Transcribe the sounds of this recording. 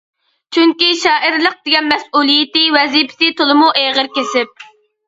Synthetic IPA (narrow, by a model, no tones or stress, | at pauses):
t͡ʃʰyŋkʲiʃɑːʔiɾlˠəq̚d̪̥ɪɡʲɛnmɛsʔulˠijɪt̪ɪwɛzipʰɪ̥sɪt̪olˠɨmuʔeʁəɾkʲesɪp̚